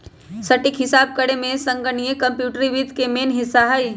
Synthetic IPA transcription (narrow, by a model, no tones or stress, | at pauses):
səʈikɦɪsaːb̚kəɽemẽsə̃ŋɡənijekəmpjuːʈɾiʋid̪ʱkemeːnɦɪsaɦəj